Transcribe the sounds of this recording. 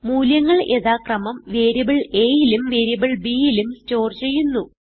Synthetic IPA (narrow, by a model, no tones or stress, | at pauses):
muːljɐŋːɐɭe̞ðaːkrɐmɐmʋeːɾibiɭe̞ːjilumʋeːɾibiɭbiːjilumsto̞ːrt͡ɕe̞jːunːu